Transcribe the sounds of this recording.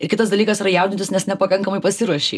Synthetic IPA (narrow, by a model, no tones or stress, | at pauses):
ɪrkʲɪt̪ɐsd̪ɐlʲiːkɐsiɾɐjɛʊd̪ʲɪnt̪ʲɪsnʲɛsnʲɛpɐkɐŋkɐmɐɪpɐsʲɪɾuɔʃʲḛɪ